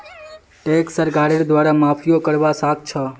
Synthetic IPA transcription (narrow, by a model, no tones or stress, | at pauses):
ʈeksəɾɡaɽeʈd̪ʋaɾamapʰijokəɾʋasak̚t͡ʃʰə